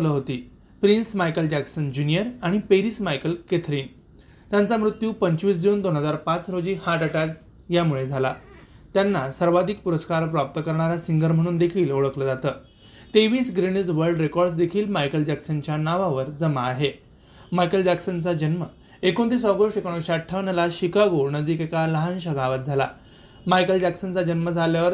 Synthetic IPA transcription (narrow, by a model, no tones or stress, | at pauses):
ləːɦot̪iː | pɾinsmajkəld͡ʑæksənd͡ʑunijəɾaɽ̃ipeɾiːsmajkəlket̪ʰɾiːn | t̪jant͡samɾut̪juːpəɲt͡ɕʋiːs̬d̪iuːnd̪onɦəd͡zaɾpat͡sɾod͡ʑiːhaʈəʈak | jamuɭed͡zʱala̰t̪janːasəɾʋad̪ʱiːk̚puɾəskaɾpɾʋap̚t̪əkəɾɳ̃aɾasiŋɡəɾm̤əɽ̃uːnd̪ekʰiːloɭəkləːd͡zat̪əː | t̪eʋiːsɡɾinəd͡zʋəɾɖɾekɔɾɖs̬d̪ekʰiːlmajkəld͡ʑæksənt͡ɕjanaʋaʋəɾd͡zəmaːɦe | majkəld͡ʑæksənt͡sad͡ʑənmə | ekont̪iːsɔʋɡoʂʈekoɳ̃oɕaʈʰːəʋnalaɕikaɡonəd͡z̪iːkekaləɦanɕ̬əɡaʋət̪̚d͡zʱala̰ | majkəld͡ʑæksənt͡sad͡ʑənməd͡zʱaljaʋəɾ